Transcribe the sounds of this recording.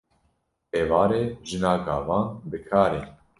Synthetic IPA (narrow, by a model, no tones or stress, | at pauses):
eːvɑːɾeːʒɨnɑːɡɑːvɑːnbɨkʰɑːɾen